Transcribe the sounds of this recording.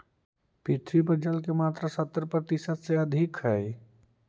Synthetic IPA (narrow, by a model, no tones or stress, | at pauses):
pɪt̪ʰɾipəɾd͡ʒəlkemaːt̪ɾasət̪ːɾpɾət̪isəd̪seəd̪ʱɪkɦɛ